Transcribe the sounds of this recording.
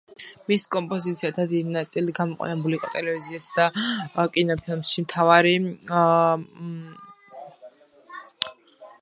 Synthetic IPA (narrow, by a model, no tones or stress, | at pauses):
miskʼɔmpʼɔzit̪sʰiat̪ʰad̪id̪inat̪sʼiliɡamɔqʼwa̰nɛbuliqʼɔ̰t̪ʼɛlɛviziasd̪akʼinɔpʰilˠmʃimt̪ʰavaɾi